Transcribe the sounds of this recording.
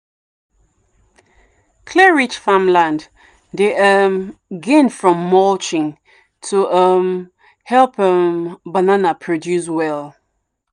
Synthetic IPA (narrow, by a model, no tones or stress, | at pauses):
kʰlɛɹit͡ʃfãmlãnd | deʔəmɡɛ̃nfɹɔ̃mːɔlt͡ʃɪ̃ŋ | tʰuʔəm | hɛlˠpəmbananapʰɹɔdjus̬wɛlˠ